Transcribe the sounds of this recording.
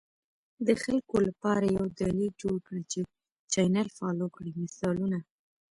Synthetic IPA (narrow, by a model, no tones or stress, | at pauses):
d̪əxalkolapɑɾajawd̪alid͡ʒoɽkɽit͡ʃe | t͡ʃɑjnalfɑlokɽimɪsɑluna